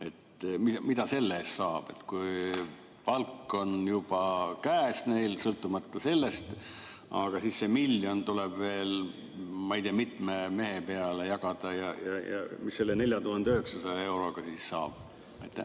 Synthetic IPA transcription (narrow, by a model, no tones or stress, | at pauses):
e̞t̪mimid̪̥ɑse̞lːeːst̪sɑːb̥e̞t̪kuj | pɑlkːˑo̞njub̥ɑkæːsne̞jlsɤlt̪ːˑumɑt̪ːˑɑse̞lːe̞st̪ | ɑ̰ɡ̥ɑsiːssemilːjo̞nt̪uleb̥ve̞ːl | mɑijt̪iɑmit̪ˑmeme̞ɦepe̞ɑle̞jɑɡ̥ɑd̪̥ɑjɑjɑ̰jɑ̰misːe̞lːene̞lʲjɑt̪uhɑnd̪eyheksɑsɑjɑe̞wɾo̞ɡ̥ɑsiːssɑ̰ːb̥ | ɑjt̪ːˑḛ